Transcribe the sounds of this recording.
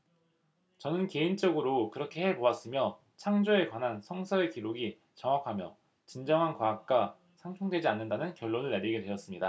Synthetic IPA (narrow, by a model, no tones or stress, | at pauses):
t͡ɕʌnɯnke̞int͡ɕ͈ʌɡɯɾokɯɾʌkʰe̞he̞boas͈ɯmjʌ | t͡ɕʰaŋd͡ʑoe̞kwanɦansʰʌŋsʰʌekiɾoɡi | t͡ɕʌŋwakʰamjʌ̰ | t͡ɕind͡ʑʌŋɦankwaːk̚k͈a | sʰaŋt͡ɕʰoŋdwe̞d͡ʑianːɯndanɯnkjʌɭːonɯɭːeɾiɡedwe̞jʌs͈ɯmɲida